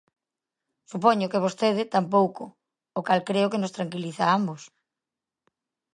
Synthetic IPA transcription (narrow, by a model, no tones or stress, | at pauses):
sup̬ɔɲʊkeβ̞ost̪eð̞ɪt̪amp̬owkʊː | kalkɾeʊkenost̪ɾaŋkiliθaambʊs